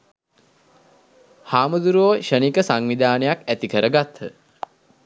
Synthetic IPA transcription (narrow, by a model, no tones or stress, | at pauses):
haːməd̪uɾoːʃənikəsaŋʋid̪aːnəjakæt̪ikəɾəɡat̪ʰːə̰